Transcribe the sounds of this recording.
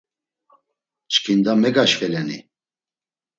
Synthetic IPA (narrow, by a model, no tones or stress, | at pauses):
t͡ʃkʰind̪amɛɡaʃvɛlɛnḭ